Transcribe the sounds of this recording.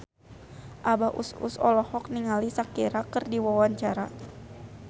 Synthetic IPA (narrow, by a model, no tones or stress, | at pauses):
ʔabaʔṵsṵsɔ̰lɔhɔk̚niŋalisakeɾakɨrdiwawaɲt͡ʃaɾa